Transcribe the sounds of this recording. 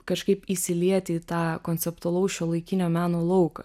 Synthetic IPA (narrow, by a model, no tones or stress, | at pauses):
kɐʃkɐɪpisʲɪlʲiɛt̪ʲiːt̪ɑːkoːnʲt͡s̪ʲɛpt̪ʊɐlˠɐʊʃʲolˠɐɪkʲɪnʲoːmʲæːnoːlˠɐʊkɐ̰